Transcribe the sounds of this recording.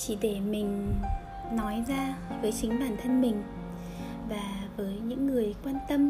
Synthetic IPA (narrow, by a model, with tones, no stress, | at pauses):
t͡ɕi˧˩ɗe˧˩mï˨˩ŋ̟ | nɔ˨˦jzaː˧vəː˨˦jt͡ɕï˨˦ŋ̟ɓaː˧˩nt̪ʰə˧nmï˨˩ŋ̟ | vaː˨˩vəː˨˦jɲɨ̰˧˥ŋːɨ˨˩əjkwaː˧nt̪ə˧m